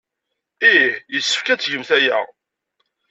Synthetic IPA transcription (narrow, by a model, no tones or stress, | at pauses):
ijəsːə̥fkæt͡sːʝəmθæjæ̰